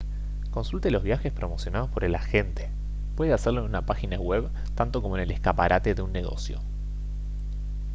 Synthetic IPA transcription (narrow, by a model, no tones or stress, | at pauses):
ko̞nsult̪elo̞zβ̞jaxespɾo̞mo̞sjo̞nað̞o̞spo̞ɾe̞laxent̪e | pwe̞ðeaseɾloenunapaxinaɣwe̞β | t̪ant̪o̞komoeneleskapaɾʔat̪e̞ðeunːe̞ɣo̞̰sjo̞̰